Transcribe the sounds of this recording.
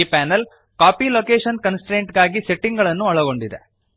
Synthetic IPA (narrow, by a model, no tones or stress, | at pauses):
ipaːnɐl | kaːpiloːkeːʂɐnkɐnsʈɾeːɳʈɡaːɡiseʈːiŋɡɐɭɐnːuɐɭɐɡo̞ɳɖid̪ḛ